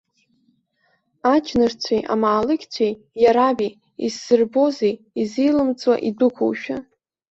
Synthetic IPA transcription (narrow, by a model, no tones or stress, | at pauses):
at͡ʃʰnɨrt͡sʷʰejʔa̰maːlɨɡʲt͡sʷʰej | jaɾabij | ḭzːɨrbo̞zej | izijlɨmt͡sʼwa̰ʔidɨkʷʰṵwʃᶣa̰